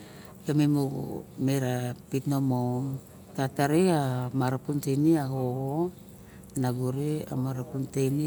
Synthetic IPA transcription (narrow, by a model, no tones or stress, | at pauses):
jomemṵmeɾapitno̞moŋ | tataɾeamaɾapuntejniaho | naɡuɾea̰maɾapuntejni